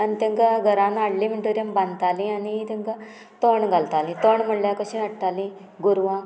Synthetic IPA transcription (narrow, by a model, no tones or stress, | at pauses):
anit̪eŋkaɡʱəɾãnaɽlĩmiʈoɾijəmbãnd̪t̪alĩaniit̪eŋka | t̪oɳɡʱalt̪alĩt̪oɳm̤əɽljakəɕĩəʈt̪alĩ | ɡuɾʋã